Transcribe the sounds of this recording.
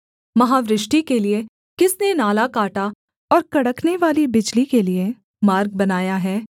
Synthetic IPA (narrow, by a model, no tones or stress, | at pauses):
mɐɦaːʋɾɪʃʈikelie | kɪsnenaːlakaːʈa | ɔːɾkɐɽəkneʋaːlibɪd͡ʒlikelie | maːɾɡ̚bɐnaːjaɦɛː